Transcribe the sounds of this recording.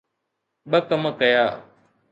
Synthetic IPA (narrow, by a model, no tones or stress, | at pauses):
ɓəkəmkəjaː